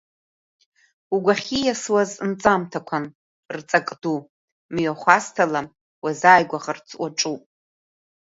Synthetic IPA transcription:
uɡʷaχʲijaswaznt͡sʼamtʰakʷʰan | rt͡sʼakʼdu | mɥaχʷastʰalam | wazaːjɡʷaʁart͡sʰʼwaʈ͡ʂʼupʼ

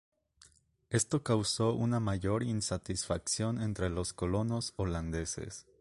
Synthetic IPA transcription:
e̞st̪o̞kawso̞ʔunamaʝo̞ɾinsat̪isfaksjo̞ne̞nt̪ɾe̞lo̞sko̞lo̞no̞so̞land̪e̞se̞̰s

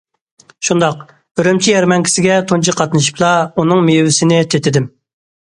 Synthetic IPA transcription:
ʃund̪ɑq | øɾymt͡ʃʰijɛɾmɛŋkʲʰi̥sɪɡʲɛt̪ʰont͡ʃʰiqʰɑt̪nɨʃi̥plˠɑunɨŋmejwɪsɪnɪt̪ʰet̪ʰɪd̪ɪm

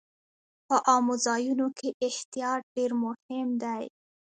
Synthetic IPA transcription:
pəʔɑmozɑjunokʰeʔɪht̪ijɑt̪̚ɖeɾmʊhɪmd̪aj

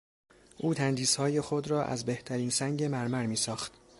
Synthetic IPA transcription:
ʔuːt̪ʰænd̪iːshɒːje̞xod̪ɾɒːʔæ̰zbe̞ht̪ʰæɾiːnsæŋɟe̞mæɾmæɾmiːsɒːxt̪

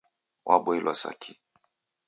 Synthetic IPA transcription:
wʔaɓɔilʔwɔsa̰kʰi

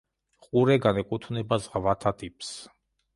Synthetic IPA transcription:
χʼuɾɛɡanɛkʼut̪ʰvnɛbazʁvat̪ʰat̪ʼipʰʼs

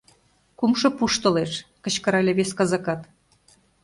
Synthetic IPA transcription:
kumʃɤ̆puʃt̪ɤ̆leʃkə̆t͡ɕkɤ̆ɾɑlʲeβeskɑzɑkɑt̪

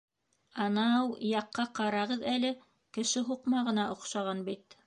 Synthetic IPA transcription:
ɑnɑwjɑqːɑqɑɾɑʁɤðælɘ | kɘ̆ʃɘɦuqmɑʁɤ̆nɑʔŏqʃɑʁɑnbit̪

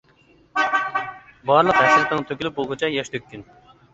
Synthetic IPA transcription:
bɑɾlˠəqɦɛsɾɪt̪əŋt̪ʰøkʲylyp̚bolˠɡʊt͡ʃʰɛjɛʃt̪ʰøk̚ʲʰːyn

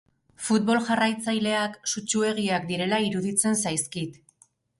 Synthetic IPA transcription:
fut̪̚βo̞lʝarajt͡sajle̞aksut͡ʃue̞ɣ̞iakd̪iɾe̞laiɾuðit͡se̞nsajskit̪

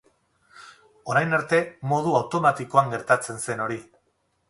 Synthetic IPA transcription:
o̞ɾajnaɾt̪e̞mo̞ð̞uawt̪o̞mat̪iko̞aŋɡe̞ɾt̪at͡se̞nse̞no̞ɾi

